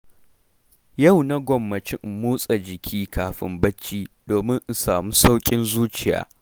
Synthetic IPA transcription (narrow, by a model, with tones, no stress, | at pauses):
ja˦˨wna˦ɡʷɔ˨mːɐ˨t͡ʃɪ˦m˨muː˦sʼa˨d͡ʒɪ˨kʲʰiː˦kʰaː˨ɸɪ̰˦mbɐ˦t͡ʃːiː˦doː˨mɪ˦ŋʔ̩˨saː˨muː˦sa˦wkʲʼɪ˦nzuː˦t͡ʃɪ˨ja̰ː˨˦